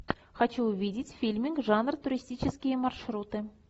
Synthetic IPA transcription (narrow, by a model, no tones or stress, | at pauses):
xat͡ɕuʊvʲidʲɪtʲfʲilʲmʲiŋkʐɑnrt̪ʊɾʲisʲtʲit͡ɕɪskʲijəmɑrʂrut̪ɨ